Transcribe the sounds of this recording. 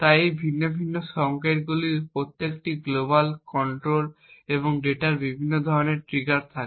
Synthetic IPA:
t̪ajejbʱinːobʱinːoʃɔŋkeʈɡuliɾpɾot̪ːekʈiɡlobalkɔɳʈɾol | eβoŋɖeʈaɾbibʱinːod̪ʱɔɾoneɾʈɾiɡaɾt̪ʰake

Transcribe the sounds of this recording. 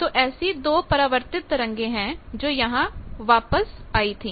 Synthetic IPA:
t̪oːʔɛːsid̪oːpəɾaːʋəɾt̪ɪt̪ɾəŋɡẽːɦɛ̃ːd͡ʒoːjəɦãːʋaːpəsaːiːt̪ʰiː

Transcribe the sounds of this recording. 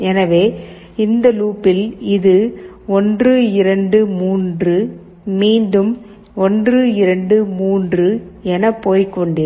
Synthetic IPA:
ɛnɐʋeː | ɪnd̪ɐluːpːɪlɪðɯ | ɔndrɯɪɾɐɳɖɯmuːndrɯ | miːnɖɯm | ɔndrɯɪɾɐɳɖɯmuːndrɯɛnɐpːoːjkɔɳɖɪ

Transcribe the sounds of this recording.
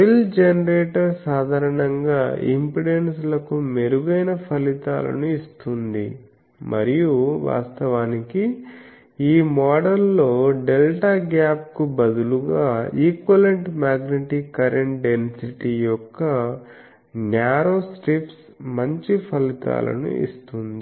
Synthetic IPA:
pild͡ʒenɐɾeːʈɐɾsaːd̪ʱaːɾɐɳɐŋɡaːḭmpɾiɽenslɐkumeɾuɡɐjnɐpʰɐlit̪a̰ːlɐ̰nuist̪und̪ḭ | mɐ̰ɾijuʋa̰ːst̪ɐʋaːniki | iːmɔːɖɐlːo̞ːɖe̞lʈaːɡjaːp̚kubɐd̪uluɡaːiːkʋɐleɳʈmaːɡneʈikɐɾeɳʈɖe̞nsiʈijɔkːɐ | njaːɾoːsʈips | mɐɲt͡ʃipʰɐlit̪a̰ːlɐ̰nṵḭst̪und̪i

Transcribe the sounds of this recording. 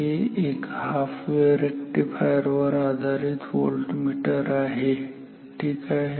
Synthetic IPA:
eeːkhaːpʰʋeɾekʈipʰaːjəɾʋəɾaːd̪ʱaːɾit̪ʰʋo̰ːlʈmiːʈəɾaːɦe | ʈʰiːkaːɦe

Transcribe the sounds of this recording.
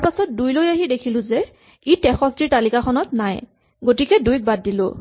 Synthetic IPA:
apasɔt̚dujlojaɦidekʰilʊ̃zɛ | itɛxʰɔsdiɹtalikaxʰɔnɔtnaj | ɡotikɛdujk̚bad̚ːilʊ̰

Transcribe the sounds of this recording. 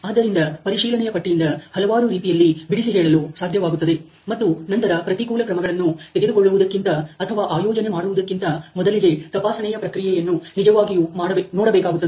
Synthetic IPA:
aːd̪ːɐɾind̪ɐpɐɾiʃiːlɐɳɛjɐpɐʈːijind̪ɐhɐlɐʋaːɾuɾiːt̪ijɐlːibiɽisiɦɛːɭɐlusaːd̪ʱjɐʋaːɡut̪ːɐd̪e̞ | mɐt̪ːunɐnt̪ɐɾɐpɾɐt̪ikuːlɐkɾɐmɐɡɐɭɐnːut̪eɡed̪uɡoɭːuʋud̪ɐkːint̪ɐːt̪ʰɐʋaːʔaːjɔːd͡ʒɐnemaːɽuʋud̪ɐkːint̪ɐmɔd̪ɐlid̪e̞t̪ɐpaːsɐnɛjɐpɾɐkɾijɛjɐnːunid͡ʒɐʋaːɡijumaːɽɐnɔːɽɐbɛːkaːɡut̪ːɐd̪e

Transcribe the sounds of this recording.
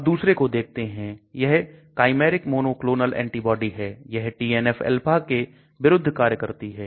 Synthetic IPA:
ɐb̚d̪uːsɾekod̪eːk̚ʰt̪eɦɛ̃jɛɦkaːɪmeːɾɪkmoːnoːkloːnəlɛ̰̃ːɳʈibɔːɖiɦɛːjɛɦʈiːɛːnɛfɛ̰lpʰake | ʋɪɾʊd̪ʱːkaːɾjəkəɾt̪iɦɛː

